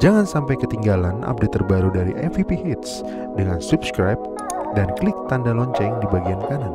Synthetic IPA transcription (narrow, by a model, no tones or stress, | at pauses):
d͡ʒaŋansampajkət̪iŋɡalanʔa̰p̚det̪ːərbaɾudaɾiʔɛfipihit̪s | dəŋansupskɾajp̚ | danklɪk̚t̪andalɔɲt͡ʃɛŋdibaɡiankanan